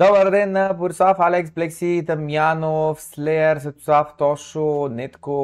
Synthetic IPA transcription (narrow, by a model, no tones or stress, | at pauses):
d̪ɔbəɾd̪ɛnːɐpʊɾʲisafalɛksblɛksit̪ɐmjanofslɛɾsɐt̪u̥saft̪ɔʃonɛt̪ko